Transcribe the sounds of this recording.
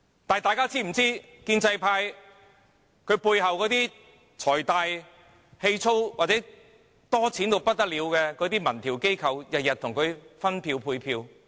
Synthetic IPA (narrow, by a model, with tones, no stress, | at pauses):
t̪aː˨jt̪aː˨˧jkaː˥t͡sʰiː˥m̩˨˩t͡siː˥ | kiː˧nt͡sɐ˧jpʰaː˧j | kʰɵ˨˧ɥpuː˧jɦɐ˨wkɔː˨˥t̪iː˥ | t͡sʰɔː˨˩jt̪aː˨˧j | he˧jt͡sʰo˥wwaː˨t̚t͡sɛː˨˥ | t̪ɔː˥t͡sʰiː˨˥nt̪o˨˧wpɐ˥t̚t̪ɐ˥t̚liː˨˧wkɛː˧kɔː˨˥t̪iː˥mɐ˨˩nt̪ʰiː˨˩wke˥jkʰɐ˨wjɐ˨t̚jɐ˨t̚t̪ʰʊ˨˩ŋkʰɵ˨˧ɥfɐ˥npʰiː˧wpʰuː˧jpʰiː˧w